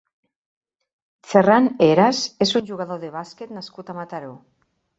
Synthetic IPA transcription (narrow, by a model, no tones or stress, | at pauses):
seraneɾasesunʲʒuɣ̞aðoðeβ̞asket̪naskut̪amat̪aɾo